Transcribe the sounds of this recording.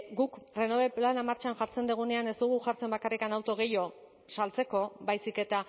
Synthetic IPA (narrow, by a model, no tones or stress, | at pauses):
ɡukre̞noβe̞planamaɾt͡ʃaŋʝaɾt͡se̞nd̪eɣ̞une̞ane̞zd̪uɣ̞uʝaɾt͡se̞mbakarikanawt̪o̞ɣ̞e̞jo̞ | salt͡se̞ko̞bajsike̞t̪a